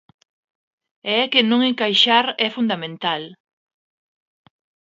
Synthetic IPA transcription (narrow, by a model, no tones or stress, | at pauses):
ɛkɪnõŋeŋkajʃaɾɛfund̪amẽnt̪al